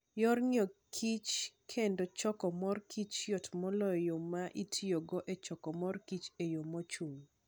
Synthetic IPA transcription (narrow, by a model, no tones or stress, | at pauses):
jɔrɲɔkʰit͡ʃkʰendot͡ʃɔkɔmɔrkʰit͡ʃjɔtmɔlɔjomaʔitʰioɡɔʔet͡ʃɔkɔmɔrkit͡ʃejomɔt͡ʃuŋ